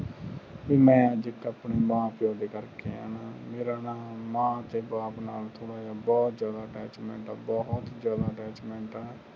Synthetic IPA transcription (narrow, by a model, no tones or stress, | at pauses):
ʋiːmɛ̃ːəd͡ʒɪkapɳiːmãːpɪjoːɖiːkəɾkeːɦa̰ːnaːmeːɾaːnaːmãːt̪eːbaːpnaːlt̪ʰoːɽaːjaːbɔːt̪zjaːd̪aːəʈɛːt͡ʃmɛ̃ːɳʈaːbɔt̪d͡ʒjaːd̪aːəʈɛːt͡ʃmɛ̃ːɳʈaː